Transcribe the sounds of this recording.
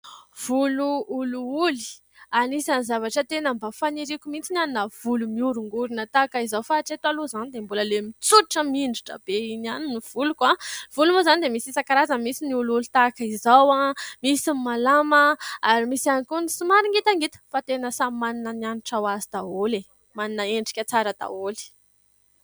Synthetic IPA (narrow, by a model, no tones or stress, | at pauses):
v̥uluuluuli̥ | anisanizavaʈ͡ʂət̪enəmbafaniɾikʲumint͡sinaninəv̥ulumiuɾuŋɡuɾinət̪akaizawfaʈ͡ʂet̪aluzanid̪embuləlemit͡suiʈ͡ʂəmiɳɖ͡ʐuʈ͡ʂə̰b̥einaniniv̥ulukav̥ulumozanid̪emisisakaɾazəmisiniululut̪akizawamisimmalaməaɾimisiankunisimaɾiŋɡit̪aŋɡit̪ə̥fat̪enəsamimaninənaniʈ͡ʂawazid̪̥aole | maninəeɳɖ͡ʐi̥kʲət͡saɾəd̪̥a̰oli̥